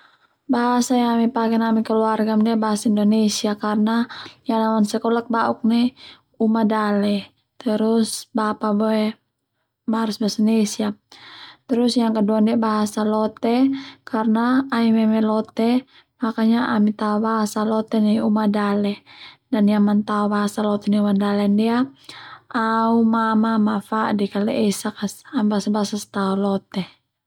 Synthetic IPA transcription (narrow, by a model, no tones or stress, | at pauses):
baɦasajaŋamɛpakɛnamikəluarɡamdɛbaɦasaindɔnesiakarnajaŋnamansɛkɔlak̚bauk̚nɛ | umadalɛ | t̪əɾusbapabɔɛ | maɾusbasanesia | t̪əɾusjaŋkəduandɛbaɦasalɔt̪ɛkarnaːimɛmɛlɔt̪ɛ | makaɲaʔamit̪aɔbaɦasalɔt̪ɛniumadalɛdanijaŋmant̪aɔbaɦasalɔt̪ɛniumadalɛndia | aumamamafaʔdikalɛʔɛsakasambaasabaɦasasɛ̥t̪aɔlɔt̪ɛ